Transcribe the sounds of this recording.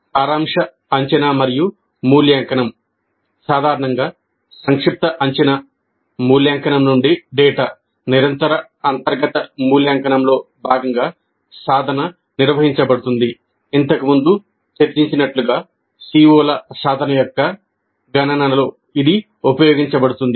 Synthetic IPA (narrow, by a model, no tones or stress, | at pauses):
aːɾaːmʂɐ | ɐɲt͡ʃɐnaːmɐɾiju | muːljaːŋkɐnɐm | saːd̪ʱaːɾɐɳɐŋɡaː | sɐŋkʂip̚t̪ɐʔɐɲt͡ʃɐna | muːljaːŋkɐnɐmnuɳɖiɖɛːʈaː | niɾɐnt̪ɐɾɐ | ɐnt̪ɐɾɡɐt̪ɐmuːljaːŋkɐnɐmlo̞ː | bʱaːɡɐŋɡaː | saːd̪ʱɐnɐ | niɾʋɐɦiɲt͡ʃɐbɐɽut̪und̪i | int̪ɐkumund̪u | t͡ʃɐɾd͡ʒiɲt͡ʃinɐʈluɡaː | siːoːlɐsaːd̪ʱɐnɐjɔkːɐ | ɡɐnɐnɐnɐlo̞ː | id̪i | upɐjoːɡiɲt͡ʃɐbɐɽut̪und̪i